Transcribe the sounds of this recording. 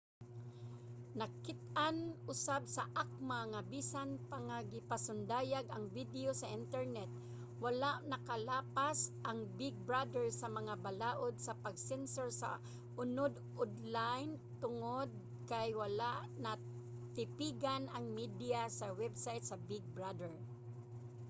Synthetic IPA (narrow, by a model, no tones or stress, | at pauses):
nɐkɪt̪̚ʔanʔʊsabsɐʔak̚maŋabiːsanpaŋaɡɪpasʊnd̪aːjaɡʔɐŋvid̪ɛosɐʔɪnt̪ɛɹnɛt̪̚ | walaʔnɐkalaːpasʔaŋbɪɡ̚bɹad̪ɛɹsɐmɐŋabalaːʔod̪̚sɐpɐɡsɛnsoɹsa̰ | ʔʊnod̪ʔod̪lajnt̪ʊŋod̪̚ | kajwɐlaʔnɐ | t̪ɪpiɡanɐŋmid̪ɪjasɐwɛbsajt̪sɐbɪɡ̚bɹad̪ɛɹ